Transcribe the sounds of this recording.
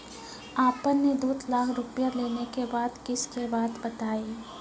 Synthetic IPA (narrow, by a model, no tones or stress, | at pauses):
aːpənːed̪uːd̪laːkʰɾʊpjaleːnekebaːd̪kɪskebaːd̪bɐt̪aːi